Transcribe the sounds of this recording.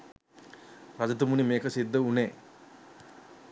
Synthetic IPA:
ɾɐd͡ʒɐt̪̬umunimeːkɐsid̪ːɐuneː

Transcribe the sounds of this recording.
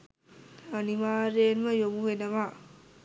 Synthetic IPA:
ɐnimaɾenmɐjomuɦenɐma

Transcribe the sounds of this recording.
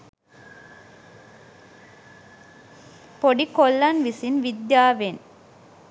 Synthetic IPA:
poɽikɔlːɐnʋisinʋid̪jaːʋen

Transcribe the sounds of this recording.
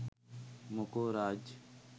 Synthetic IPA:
mʊkoːɾaːd͡ʒ

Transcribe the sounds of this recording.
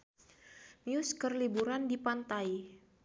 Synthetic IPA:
niʊskərlibuɾandipant̪ai

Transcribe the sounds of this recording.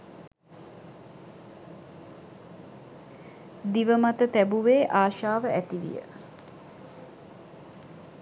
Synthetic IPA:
d̪iʋəmat̪ət̪æbuʋeːʔaːʃaːʋəʔæt̪iʋḭjə̰

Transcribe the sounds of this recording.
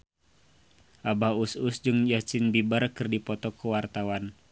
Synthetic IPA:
ʔabaususd͡ʒɨŋjat͡ʃinbibarkɨrdipɔt̪ɔkəwart̪awan

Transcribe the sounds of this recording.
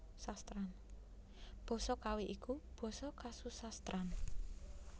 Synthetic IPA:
sast̪ɾan | b̥ɔ̤sɔkaweʔikub̥ɔ̤sɔkasusast̪ɾʔan

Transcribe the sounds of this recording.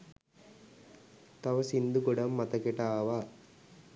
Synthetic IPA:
t̪ɐʋɐsind̪uɡɔɽɐmːɐt̪ɐkɛʈaːʋa

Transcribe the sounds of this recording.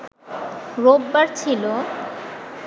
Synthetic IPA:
ɾobːaɾt͡ɕʰilo

